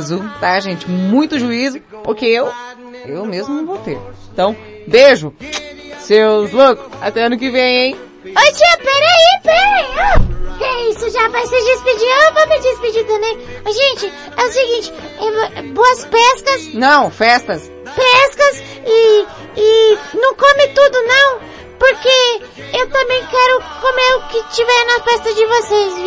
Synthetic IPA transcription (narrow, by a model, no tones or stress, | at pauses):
zʊt̪aʒẽnt͡ʃɪmũj̃t̪ʊʒuizʊ | pʊɾkeew | ewmezmʊnɐ̃w̃vot̪ḛɾẽnt̪ɐ̃w̃ | beʒʊ | sewzlokʊ̥sa̰t̪ɛɐ̃nʊkɪvẽj̃ẽj̃ | ojt͡ʃiɐpɛɾɐipɛɾɐ̃okeisʊʒavajseɾd͡ʒɪspɪd͡ʒievomed͡ʒɪspɪd͡ʒit̪ɐ̃mbẽj̃mɐzʒẽnt͡ʃɪ | ɛʊsɪɡĩnt͡ʃɪ̥ | ɛboɐspɛskɐsnɐ̃w̃fɛst̪ɐs | pɛskɐs | ɪː | nɐ̃w̃kõmɪt̪ud̪ʊnɐ̃w̃ | poɾke | ewt̪ɐ̃mbẽj̃kɛɾʊkomeɾʊkɪt͡ʃivɛɾnɐfɛst̪ɐd͡ʒɪvoses